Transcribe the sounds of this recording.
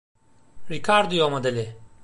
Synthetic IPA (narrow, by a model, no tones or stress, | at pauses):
ɾikʰaɾd̪ujomad̪elʲɪ